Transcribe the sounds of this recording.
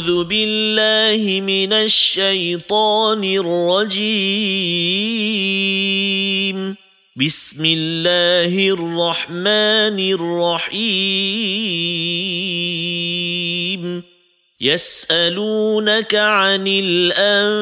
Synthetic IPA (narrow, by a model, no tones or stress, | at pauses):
ðʊbɪlːaːhɪmɪnaʃːajt̪ˤɑːnɪrˤːɑd͡ʒi | m | bɪsmɪlːaːhɪrˤːɑħmaːnɪrˤːɑħiː | m | jasʔaluːnakaʕanɪlʔa